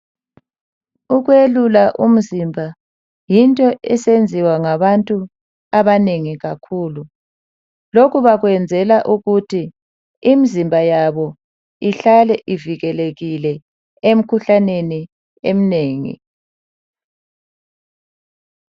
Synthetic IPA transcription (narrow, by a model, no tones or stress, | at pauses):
uɣwelulaʔum̩zimbʱa | jintʼɔʔɛsend͡zʱiwaŋaβantʼu | aβaneŋiɣakʰuːlu | lokuβaɣwɛnd͡zʱɛlaʔuɣutʰi | imizimbʱajaβɔ | iɬalɛʔiviɣɛleɣilɛ | em̩kʰuɬaneni | em̩neːŋḭ